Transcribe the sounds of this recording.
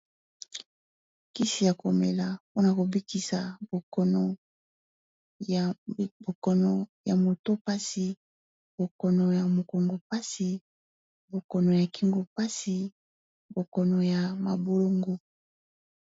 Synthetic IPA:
ki˦si˨ja˨ko˨me˨la˨po˦na˨ko˨bi˦ki˨sa˨bo˨kɔ˨nɔ˨ | bo˨kɔ˦nɔ˨ja˨mo˨to˦pa˦si˨ | bo˨kɔ˨nɔ˨ja˨mo˨ko˨ŋɡo˨pa˦si˨ | bo˨kɔ˨nɔ˨ja˨ki˦ŋɡo˨pa˦si˨ | bo˨kɔ˨nɔ˨ja˨ma˨bo˦lo˦ŋɡo˦

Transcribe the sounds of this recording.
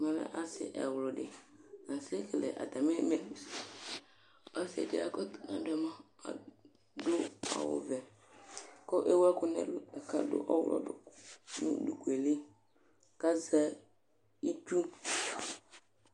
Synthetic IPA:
mã˨lɛ̰˦ʔa˦sɪ̰˨ʔɛ̰˨wʊ˨lʊ˨dɪ˨nã˨se˦kɛ˨lɛ̰˨ʔa̰˨t̪a˨mɪ˦mɛ˨nu˨s | ɔ˦sḛ˨dɪ̰˨a̰˨kɔ˦tnã̰˦dʊ˨ɛ˨mã˦ | a̰˨ | dlʊ˦ɔ̰˦wʊ̰˦vɛ˨ | kɔ˦ʔe˦wa˦kʊ˦nɛ̰˦la˨ka̰˦dʊ̰˦ʔɔ˦wʊ̰˦lʔɔ̰˦dʊ˨nṵ̃˦du˨ku˨e˨li˦ | ka˦za˦ | i˦tu˦

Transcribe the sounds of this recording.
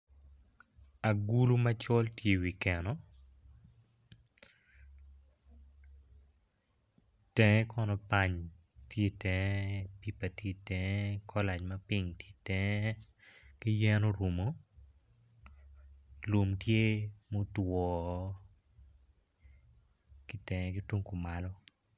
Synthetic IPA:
a˨ɡu˦lu˦ma˦t͡ʃɔ˦ltje˨wi˨kɛ˨nɔ˨ | tɛŋɛ˦kɔ˦nɔ˨pa˦ɲ | tje˦tɛ˨pi˦pa˨tje˦tɛ˦kʰɔ˦la˨d͡ʒmɐ˦pi˦ŋtje˦tɛ˦ŋ˦ | kɪ˦jɛ˦nɔ˦ɾu˨mo˨ | lo˨mtje˦mo˦twɔ˨ | kɪ˦tɛ˨ŋɛ˦kɪ˦twu˦ŋko˨ma˨lɔ˦

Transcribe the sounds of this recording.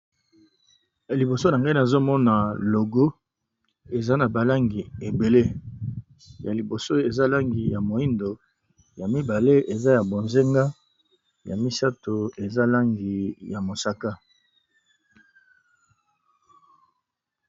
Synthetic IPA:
li˨bo˨so˦na˨ŋɡa˦i˦na˨zo˦mɔ˦na˨lo˨ɡo˦ | e˨za˦na˨ba˨la˦ŋɡi˨e˨be˨le˦ | ja˨li˨bo˨so˦e˨za˦la˦ŋɡi˨ja˨mo˨i˦ndo˨ | ja˨mi˦ba˨le˦e˨za˦ja˨bo˨nze˦ŋɡa˦ | ja˨mi˦sa˦to˨e˨za˦la˦ŋɡi˨ja˨mo˨sa˦ka˦

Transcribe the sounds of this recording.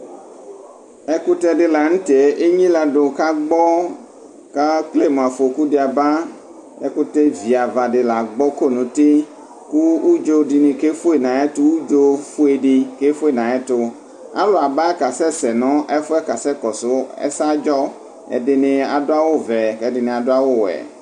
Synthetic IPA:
ɛ˦ku˦t̪ɛ˦ɖɪ˦la˨ŋ̩̃˦t̪e˨˦ʔe˦ɲĩ˦la˨ɖʊ˨ka˦ɡ͡bɔ˦ | ka˦k͡ple˦˨m˨a˨fo˨ku˦ɖɪ˨˦a˨ba˦ | ɛ̰˦ku˦t̪ɛ˦vi˨a˨va˨ɖɪ˨la˨ɡ͡bɔ˦ko˦˨nũ˨t̪ɪ˦ | ku˦u˦d͡ʒo˦di˨nɪ̃˨ke˦fu˦e˨nã˨ɛ˦t̪ʊ˦wu˦d͡ʒo˦fu˦e˨ɖɪ˦ke˦fu˦e˨nã˨ɛ˦t̪ʊ˦ | a̰˦lo˨a˨ba˦ɛ˦ka˨sɛ˦sɛ˨nɔ̃˦ʔɛ˦fʊ˦ɛ˦ka˨sɛ˦kɔ˨sʊ˦ɛ̰˦sa˦d͡ʒɔ˦ | ɛ̰˨ɖɪ˨nɪ̃˨a˨dʊ˦a˦wo˦vɛ˨kɛ˦ɖɪ˨nɪ̃˨a˨dʊ˦a˦wo˦wɛ̰˨

